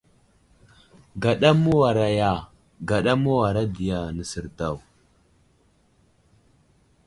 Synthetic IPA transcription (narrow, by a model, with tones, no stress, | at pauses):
ɡa˨ɗa˦mu˦wa˨ɾa˨ja˦˨ | ɡa˨ɗa˦mu˦wa˨ɾa˦di˨ja˨nə˨sə˨ɾta˨w